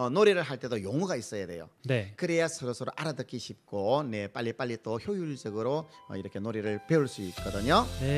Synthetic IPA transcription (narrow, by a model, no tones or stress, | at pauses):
ʌnoɾiɾɯɭɦaɭt͈e̞dojoŋuɡais͈ʌjade̞̰jo̰nekɯɾejasʰɯɾʌsʰɯɾo̰ʔaɾadɯk͈iɕʰip̚k͈one̞p͈aʎːip͈aʎːit͈oçjojuɭd͡ʑ͈ʌɡɯɾoʌ̰iɾʌkʰenoɾiɾɯɭpe̞uɭs͈uit̚k͈ʌdɯɲo